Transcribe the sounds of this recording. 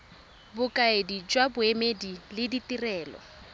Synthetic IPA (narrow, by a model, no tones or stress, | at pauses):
bʊkʼaedid͡ʒwabʊemedilɪditirɛːlɔ̰